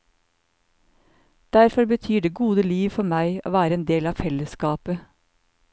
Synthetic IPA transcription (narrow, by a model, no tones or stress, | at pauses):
d̪̥æɾfɔɾbət̪ʰyːɖeːɡuːd̪əliːʋfɔmæɪʔo̰ːʋæːɾəeːnd̪eːlɑːfɛləskɑːpə